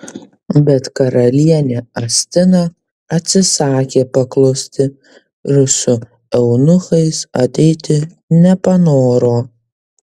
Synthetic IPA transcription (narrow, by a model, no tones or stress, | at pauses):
bʲɛt̪kɐɾɐlʲiɛnʲeɐsʲt̪ʲɪnoː | ɐt̪ʲsʲɪsɑːkʲeːpɐklˠɐʊsʲt̪ʲɪ | ɪɾsʊ | ɛʊnʊxɐɪsɐt̪ʲɛɪt̪ʲɪ | nʲɛpɐnoːɾoː